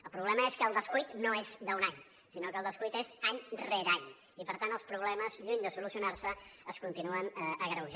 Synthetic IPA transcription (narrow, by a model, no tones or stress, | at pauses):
əlˠpɾuβlɛməeskəːlˠd̪əskujt̪noezd̪əunaɲ | sinokəlˠd̪əskujt̪ezaɲreɾaɲ | ipəɾt̪anəlˠspɾuβlɛməzʎuɲd̪əsulusiunarsəəskunt̪inuənəəɣɾəwʒ